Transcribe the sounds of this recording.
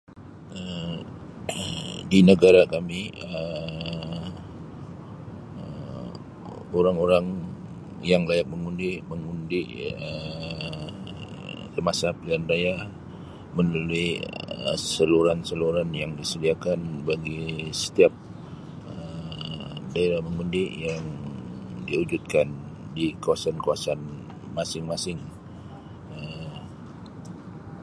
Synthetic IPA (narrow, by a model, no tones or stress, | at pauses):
ə | dinəɡaɾakamiə | oɾaŋoɾaŋ | jaŋlajak̚məŋundiməŋundiə | səmasapəliandaja | mənuluiə̰səluɾansəluɾanjaŋdisədiakanbaɡisə̥t̪iap̚ | ə | daiɾaməŋundijaŋ | diud͡ʒut̪̚kan | dikawasankawasan | masɪŋmasɪŋ | ə